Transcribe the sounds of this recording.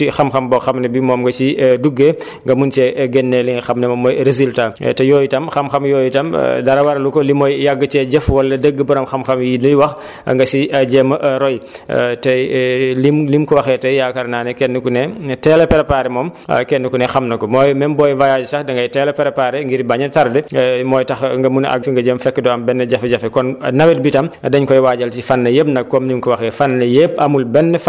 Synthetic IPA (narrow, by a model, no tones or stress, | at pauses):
tixɐmxɐmbɔxɐmnɐbimɔːmɡɐt͡ʃiduɡːe | ŋɡɐmunt͡ʃɛɡɛnːɛliŋxɐmnɐmɐmɔjɾezilta̰tɛjɔːjitɐmxɐmxɐmjɔːjitɐm̰dɐɾɐwɐɾɐlukɔlimɔjjɐɡːət͡ʃɛɟɛfwɐlːɐdəɡːəbɐɾɐmxɐmxɐmjinujwɐx | ŋɡɐsiɐɟɛmɐɾɔj̰ | tɐlimlimkɔwɐxɛːtɐjjaːkɐɾnaːnɛkɛnːəkunɛtɛːlɛpɛɾɐpaːɾɛmɔːm̰kɛnːəkunɛxɐmnɐkɔmɔːjmɛmbɔːjvajaːd͡ʒsɐxdɐŋɡɐjtɛːlɛpɛɾɐpaːɾɛŋɡiɾbaɲɐtɐɾdɛmɔːjtɐxŋɡɐmunɐ̰ɡfiŋɡɐɟeːmfɛkːədɔːɐmbɛnːɐɟɐfɐɟɐfɛkɔnnɐwɛt̚bitɐmɐdɐɲkɔjwaːɟɐlt͡ʃifɐnːɐjep̚nɐk̚kːɔmlimkɔwɐxɛːfɐnːɐjep̚ɐmulbɛnːəf